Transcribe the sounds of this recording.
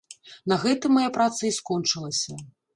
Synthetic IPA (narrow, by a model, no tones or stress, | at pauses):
nɐɣɛt̪ɨmːajapɾat̪sɐiskɔnt͡ʂɨlˠɐsʲɐ